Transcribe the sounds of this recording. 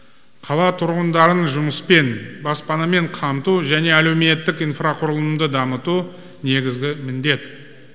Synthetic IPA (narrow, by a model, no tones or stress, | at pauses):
qʰɑlˠɑt̪ʰʊɾʁənd̪ɑɾənʒʊməspe̞nbɑspɑnɑme̞ɴqʰɑmt̪uʒæne̞æle̞wme̞t̪ːɪkijnfraqʰʊɾəlˠəmd̪əd̪ɑmət̪u | ne̞ɡʲɪzɡʲɪmɪnd̪e̞t̪